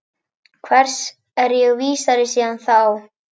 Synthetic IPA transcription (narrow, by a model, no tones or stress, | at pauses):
kʰvɛr̥s | ɛɾjɛɣviːsaɾɪsiːðanθaw